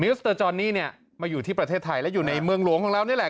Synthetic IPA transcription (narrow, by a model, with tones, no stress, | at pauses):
mi˦˥st̪ɤː˧t͡ɕɔː˧nːiː˥˩ni˥˩ɐ | maː˧juː˨˩t̪ʰiː˥˩pɾa˧t̪ʰeː˥˩t̪ʰːa˧jlɛ˦˥juː˨˩na˧jmɯ˧əŋlu˨˩˦əŋkʰɔ˨˦ɾa˥˩wni˥˩˨lɛ˨˩